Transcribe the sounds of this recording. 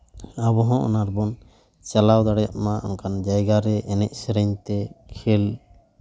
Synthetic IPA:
abɔɦɔ̃ʔɔ̰naɾbɔn | t͡ʃalawd̪aɽɛja̰ʔmaʔɔ̰nkand͡ʒajɡaɾɛʔɛnɛc̚sɛɾɛɲt̪ɛkʰɛl

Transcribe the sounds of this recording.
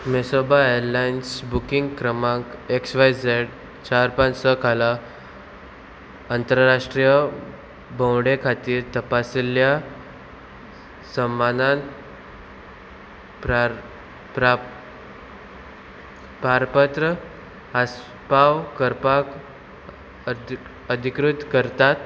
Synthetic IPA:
mesobaeəɾlainsbukiŋɡkɾəmãkeksʋajd͡zeɽ | t͡ɕaɾpãnt͡ssəkʰala | ant̪əɾɾaʂʈɾijə | bə̃wɽekʰat̪iːɾt̪əpasilja | səmːanãn | p | pɾa | paɾpət̪ɾə | ɦas | pawkəɾpak | əd̪ʱikɾut̪kəɾt̪at̪

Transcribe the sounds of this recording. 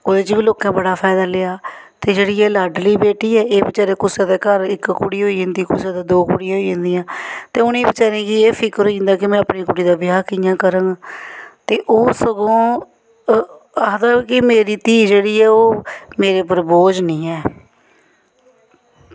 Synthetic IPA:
oːd̪eːt͡ʃɪʋiːloːkãːbəɽaːpʰɛːd̪aːleːaːt̪eːd͡ʒeːɽiːɛːlaːɾɖliːbeːʈiːɛːeːbət͡ʃaːɾeːkʊsẽːd̪eːkəɾɪkkuɽiːɦoːiːd͡ʒɪ̃ːnd̪iːkʊseːd̪eːd̪oːkuːɽijãːɦoːd͡ʒẽnd̪ijãːt̪eːʊnẽiːbət͡ʃaːɾẽːkɪeːpʰɪkɾɦoːiːd͡ʒɪ̃nd̪aːkɪmɛ̃ːəpniːkʊɽiːd̪aːbɪjaːkɪjãːkəɾə̃ːŋɡt̪eːʔoːsəɡõː | aːɦd̪aːkɪmeːɾiːt̪iːd͡ʒeːɽiːɛːoːmeːɾeːpəɾboːd͡ʒnĩːɛː

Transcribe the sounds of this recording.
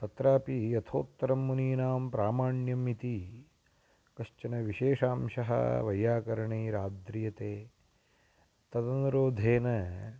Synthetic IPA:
t̪ɐt̪ɾaːpijɐt̪ʰo̰ːt̪ːɐɾɐmːuniːnaːmpɾaːmaːɳjɐmit̪i | kɐʂt͡ʃɐnɐʋiʃeːʂaːmʃɐɦɐ̰ʋɐjaːkɐɾɐɳeːɾaːd̪ɾijɐt̪eː | t̪ɐd̪ɐnuɾoːd̪ʱeːnɐ

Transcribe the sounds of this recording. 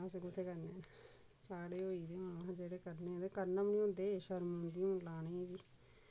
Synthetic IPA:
əseɡʊt̪ʰːeːkəɾnen | saːɽeːoːiːd̪eːõad͡ʒeːɽeːkəɾnẽːt̪eːkəɾnamɳiːõːnd̪eːʃəɾmõnd̪ijõːlaːnẽːʋiː

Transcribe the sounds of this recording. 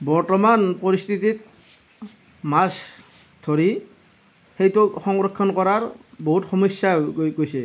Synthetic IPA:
bɔɹtɔmanpɔɹistʰitit̚ | mas | d̪ʰʱoɹi | xejtʊxɔŋɹɔkʰːɔnkɔɹaɹboɦutxɔmɔsːajɡojsɛ

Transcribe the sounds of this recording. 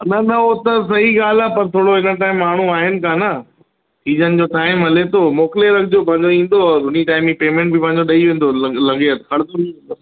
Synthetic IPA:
nɐnɐot̪ɐs̬ɐɦiɠaːl̤apɐɾt̪ʰoːɽoɦɪnəʈ̬aːɪmːaːɳ̤uaːɦɪnɪ̆kaːnɐ | sʰiːd͡ʑənɪ̆d͡ʑoːʈaːɪmɦɐlet̪oːmoːkɪleɾɐkʰɪd͡ʑopɐ̃ɦɪ̃ɲ̆d͡ʑoĩːn̆d̪oʊniʈaːɪ̃mipeːmẽːɳʈ̚bʱipɐ̃ɦɪ̃ɲd͡ʑoɗɐiʋẽːn̆d̪olɐɡeət̪kʰɐɽt̪ʰoniẽːd̪o

